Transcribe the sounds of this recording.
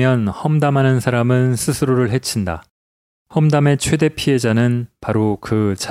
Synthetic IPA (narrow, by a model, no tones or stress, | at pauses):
jʌnhʌmdamɦanɯnsʰaɾamɯnsʰɯsʰɯɾoɾɯɭɦe̞t͡ɕʰinda̰ | hʌmdame̞t͡ɕʰwe̞de̞pʰie̞d͡ʑanɯnpaɾokɯt͡ɕ